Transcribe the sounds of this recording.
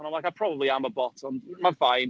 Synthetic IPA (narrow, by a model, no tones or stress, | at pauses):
ɔnəlaɪjkaɪpʰɹ̥ɔbəbliaməbɔtʰɔmmavajn